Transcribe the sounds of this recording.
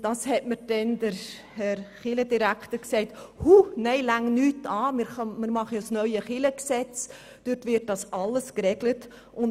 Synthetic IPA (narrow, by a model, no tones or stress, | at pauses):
d̥ɑshɛtməɾd̥ɛnd̥əɾ | hɛɾχɪlədiɾækχtəɾksɛɪthunɛɪlæŋnyːtɑːmɪɾχmɪɾmɑχəjɔsnœʏəχɪləksɛt͡s | d̥ʏtʋɪt̚d̥ɑsɑləskɾɛɡlət | ʊn